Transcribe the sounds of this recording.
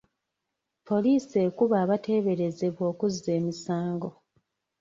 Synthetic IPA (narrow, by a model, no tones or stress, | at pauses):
po̞liːse̞ːkuβaːβate̞ːβe̞ɾe̞ze̞βwo̞ːkuzːe̞ːmisaːŋɡo̞